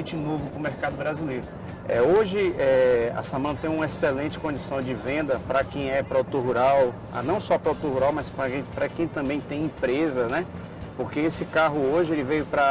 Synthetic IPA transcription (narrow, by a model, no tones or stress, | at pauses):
t͡ʃɪnovʊpɾʊmeɾkad̪ʊbɾazilejɾʊ | ɛ̰oʒɪɛɐ̰sɐ̃mɐ̃t̪ẽj̃ũmɐesɛlẽnt͡ʃɪ̥kõd͡ʒisɐ̃w̃d͡ʒɪvẽnd̪ɐpɾɐkẽj̃ɛpɾɔd̪ut̪oɾɦuɾaw | a̰nɐ̃w̃sɔpɾɔd̪ut̪oɾɦuɾawmaspɾɐkẽpɾɐkẽj̃t̪ɐ̃mbẽj̃t̪ẽj̃ĩpɾezɐnɛ | poɾkeesɪkaɦʊoʒɪelɪvejʊpɾɐ